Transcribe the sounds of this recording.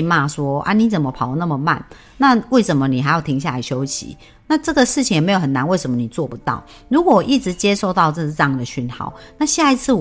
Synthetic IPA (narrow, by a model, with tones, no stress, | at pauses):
ma˥˩swɔ˦˥a̰˦ni˧˦t͡sə˨˩nmə˦pʰɑ˨˩ʊ˧˦na˥˩mə˨ma̰˥˨n | na˥˧we˥˩ɪʂə˨˦nmə˨˦ni˨˩xa˧˥ɪjo˨˩ʊt̪ʰi˧˥ŋɕ̬ja˥˨˩la̰˧ɪɕjo˦ʊɕḭ˨˦ | na˥˧ʈ͡ʂɤ˥˩ɡə˨ʂɻ̩˥˩t͡ɕʰi˨ŋjme˧˥jo˨˩hʰə˨˩na˦nwe˥˩ɪʂə˨˦mə˦ni˨˩t͡swɔ˥˨pu˨˦t̪ɑ̰˥˩ʊ | ɻu˧˥kwɔ˨˩wʔi˥˩ʈ͡ʂɻ̩˧˦t͡ɕje˥˦ʂo˥˧ʊt̪ɑ˥˧ʊʈ͡ʂə˥˧˩ɻɑ˥˩ŋd̪ə˨ɕy˥˩nxɑ̰˥˩˦ʊna˥˧ɕja˥˩i˧˦t͡s̩ʰ˥˩